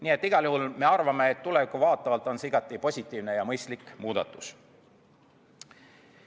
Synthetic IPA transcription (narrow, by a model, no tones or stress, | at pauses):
niːe̞t̪ːiɡ̥ɑljuhulme̞ɑrvɑme̞ːt̪ːulevikːˑuvɑːt̪ˑːɑvɑlt̪ːˑo̞nsiɡɑt̪ːˑipo̞sʲit̪ːˑiːvne̞jɑmɤjst̪likˑmuːd̪ɑt̪ːˑu̥s